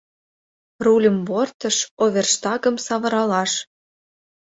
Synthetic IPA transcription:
rulʲə̆mbort̪ə̆ʃoβʲerʃt̪ɑɣə̆msɑβɤ̆ɾɑlɑʃ

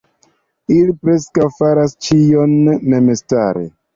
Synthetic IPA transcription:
ilipɾe̞skawfaɾast͡ʃijo̞nːe̞mesta̰ɾḛ

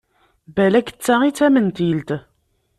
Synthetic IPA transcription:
bælækə̥t͡sːaʁit͡sːæmənt̪ilt̪

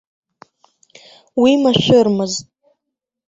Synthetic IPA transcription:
wimaʃʷᶣʊrmɨztʼ

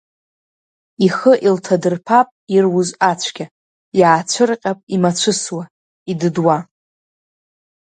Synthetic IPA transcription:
iχəʔiltʰadɨrpʰapʼirwʊzat͡ɕʷʰɡʲa | jaːt͡ɕʷʰɨrqʲʼapʼimat͡ɕʷʰɨswa | idɨdwa

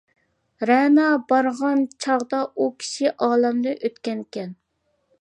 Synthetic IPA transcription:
ɾɛnɑbɑɾʁɑnt͡ʃʰɑʁd̪ɑukʲʰi̥ʃiʔɑːlɛmd̪ɨʔøt̪kʲɛnkʲɛn

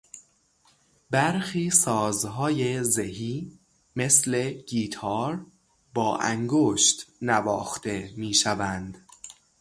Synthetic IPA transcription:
bæɾxiːsɒːzɦɒːjezeɦiː | me̞sle̞ɡ̥iːt̪ʰɒːɾ | bɒːʔæ̰ŋɡoʃt̪nævɒːxt̪e̞miːʃævænd̪

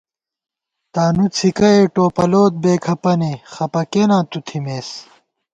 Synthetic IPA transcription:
t̪aːnut͡sʰikɐeʈoːpɐloːt̪̚beːkʰɐpɐnexɐpɐkenãːt̪ut̪ʰimeːs

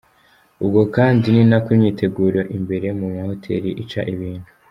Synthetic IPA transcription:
ubɡo̞kaːndininakumɲiːtʰe̞ɡuːɾoʔimbe̞ɾe̞mumaho̞tʰḛɾiʔit͡ʃa̰ʔiβiːnhu

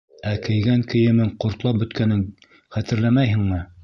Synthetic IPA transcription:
ækɘ̆jɡæŋkɘ̆jɘ̆mɘɴqŏɾt̪lˠɑp̚bɵ̆t̪kænɘŋ | χæt̪ɘ̆ɾlæmæjɦɘ̆ŋmɘ

